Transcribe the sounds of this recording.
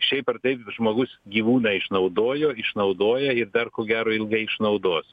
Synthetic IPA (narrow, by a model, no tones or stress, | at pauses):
ʃʲɛɪpɐrt̪ɐɪpʒmoːɡʊsɡʲiːʋuːnɐɪʃnɐʊd̪oːjoːɪʃnɐʊd̪oːjɛɪɾd̪ɐrkoːɡʲæːɾoːɪlˠɡɐɪɪʃnɐʊd̪oːs